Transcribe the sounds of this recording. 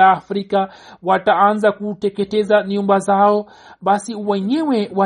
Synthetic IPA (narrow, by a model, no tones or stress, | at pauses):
aːfɾika | wataanzakutɛkɛtɛzaɲumbazaɔ | ɓasiwɛɲɛwɛwa